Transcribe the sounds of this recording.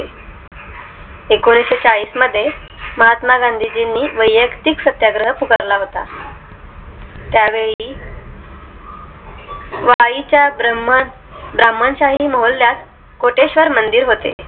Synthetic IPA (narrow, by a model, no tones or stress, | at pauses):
e | ekoñiset͡saɭiːsməd̪ʱːje | məɦat̪maɡand̪ʱid͡ʑinːiːʋəjːəkt̪iksət̪jaɡɾəɦəpukəɾlaɦot̪a̰ | t̪jaʋeɭi | ʋait͡ɕjabəm | bɾamːənɕaɦiːməɦolːjat̪ | koʈeɕʋəɾmənd̪iːɾɦot̪ḛ